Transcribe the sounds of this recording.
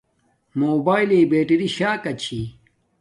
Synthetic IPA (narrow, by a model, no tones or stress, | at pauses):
moːbaːileːbeːʈiɾiɕaːkɐt͡ɕʰi